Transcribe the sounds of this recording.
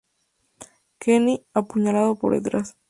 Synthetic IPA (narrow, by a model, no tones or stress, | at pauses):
keniapuɲalaðopoɾðḛt̪ɾas